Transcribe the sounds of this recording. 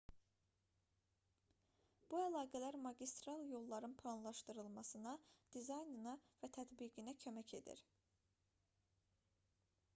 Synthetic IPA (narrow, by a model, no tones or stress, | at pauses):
b̥uælˠɑːɡælæɾmɑɟist̪ɾɑlˠjo̞lˠːɑɾɯnpʰlˠɑnlˠɑʃt̪ɯɾɯlˠmɑsɯnɑd̪̥izɑjnɯnɑvæt̪ʰæd̪biɡinæcʰø̞mæcʰe̞̰d̪ḭɾ